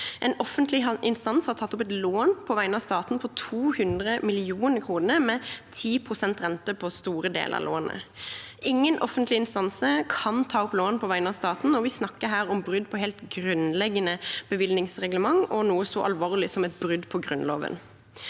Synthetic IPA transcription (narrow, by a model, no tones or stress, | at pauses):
ʔɛnɔfːənt̪lɪʔɪnst̪ɑnshɑɾt̪ʰɑt̪ːʊpɛt̪loːnpʰɔʋæɪənɑːʋst̪ɑːt̪n̩pʰɔt̪ʰuːhʉnd̪ʁəmɪlɪuːnəɾkʰʁuːnəmɛt̪ʰiːpʰʁʊsɛnt̪ɾʁɛnt̪əpʰɔst̪uːɾəd̪ḛːlə̰ɑ̰lo̰ːnə̰ɪŋːənʔɔfːənt̪lɪɪnst̪ɑnsəkʰɑnt̪ʰɑːɔploːnpʰɔʋæɪnəɑːʋst̪ɑːt̪n̩ɔʋɪsnɑkːəɦæːɾɔmbʁʏd̪ːpʰɔhɛːlt̪ɡɾʉnlɛɡːənəb̥əʋɪlnɪŋsʁɛɡləmɑŋɔnuːəsɔʔɑ̰lʋoːʁlɪsɔmɛt̪̚bɾʏd̪pʰɔɡɾʉnlo̰ːʋə̰n